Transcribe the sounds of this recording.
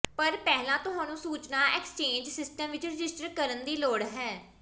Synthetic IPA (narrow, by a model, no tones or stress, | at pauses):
pəɾpɛːɦlãːt̪ʊɦãːnũːsuːt͡ʃnaːʔɛːkst͡ʃẽːɲd͡ʒsɪsʈəmʋɪt͡ʃɾɪd͡ʒɪsʈəɾkəɾənd̪iːloːɽɦɛː